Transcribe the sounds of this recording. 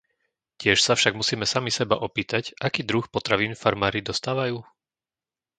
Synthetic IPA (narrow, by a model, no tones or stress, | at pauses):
cɪɛʃsafʃaɡmusiːmɛsamisɛba̰ʔɔpiːt̪acʔakiːd̪ɾuxpɔt̪ɾaʋiːnfaɾmaːɾid̪ɔst̪aːʋajuː